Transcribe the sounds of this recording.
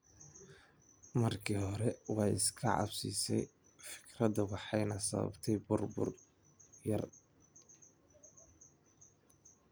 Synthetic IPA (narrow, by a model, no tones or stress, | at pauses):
mɐrkʰiːɦɔɾɛwɑːjɪskʰɐʕɑ̰bsɪ̰sɛ̰j | fɪ̥kʰrɐd̪ɐwɑħɑjnɐsɐβɐ̰bt̪ʰɛjbʊrbʊ̰r | jɐr